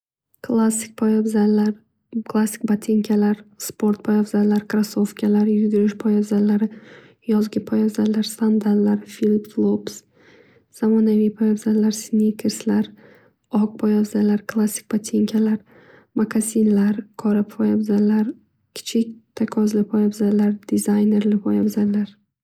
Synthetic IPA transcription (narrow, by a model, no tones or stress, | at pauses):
kʰlˠasːɪ̥k̚ʲpʰɒjabzalːaɾ | kʰlˠasːɪ̥kʲbat̪ʰeŋkʲʰalaɾspʰo̞ɾt̪̚pʰɒjavzallːaɾkʰɾasofkʲʰalaɾjʊɡʲɪɾɪʃpʰɒjavzalːaɾɪ | jɒzɡʲɪpʰɒjavzallːaɾst̪and̪allaɾfilipt̪lˠops | z̥amɒnavijpʰɒjabzallːaɾsnʲikʲʰɪɾslaɾ | ɒk̚pʰɒjavzalaɾkʰlˠasːɪ̥k̚ʲb̥at̪ʰeŋkʲʰalaɾ | maɡazinlaɾkʰɒɾɪppʰɒjabzallaɾ | kʲʰɪ̥t͡ʃʰɪkʲt̪ʰakʰɒzlɪpʰɒjabzallaɾd̪̥izajne̞ɾlɪpʰɒjabzalːaɾ